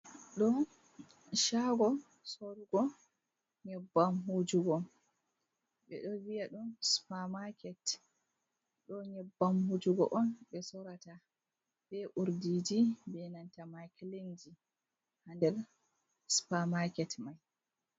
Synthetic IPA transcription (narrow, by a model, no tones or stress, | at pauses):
ɗɔ | ʃaɡɔ | soɾuɡɔ | ɲɛbːamɦud͡ʒuɡɔ | ɓɛ̰ɗɔvijaɗunspamakɛt | ɗɔɲɛbːamhud͡ʒuɡɔ̰ʔɔnɓɛsɔɾata | bɛʔuɾdid͡ʒibɛnantamaklend͡ʒi | handɛɾ | spamakɛtmaj